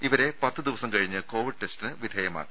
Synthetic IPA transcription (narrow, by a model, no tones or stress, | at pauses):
iʋɐɾe̞pɐt̪ːɨd̪iʋɐsɐmkɐɻiɲːɨko̞ːʋiɖɨʈe̞stinɨʋid̪ʱeːjɐma̰ːk